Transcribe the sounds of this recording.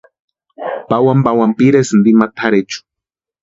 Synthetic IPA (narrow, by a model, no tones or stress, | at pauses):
pawambawampiɾesnd̪imat̪ʰaɾet͡ʃu̥